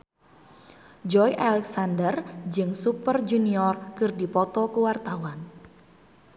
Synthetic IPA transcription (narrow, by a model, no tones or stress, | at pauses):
d͡ʒɔjʔalɛksandərd͡ʒɨŋsupərd͡ʒuniɔrkɨrdipɔt̪ɔkuwart̪awan